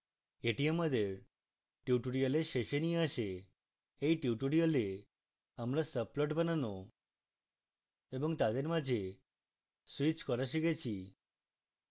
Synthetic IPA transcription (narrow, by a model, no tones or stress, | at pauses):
eʈieməd̪eɾ | ʈjuʈuɽijəleʃeʃeniaʃe | eiʈjuʈuɽijəle | əmɾasəplɔʈbənano | ebɔŋt̪ad̪eɾmad͡ʒe | sʋit͡ʃkɔɾaʃ̬eket͡ʃʰi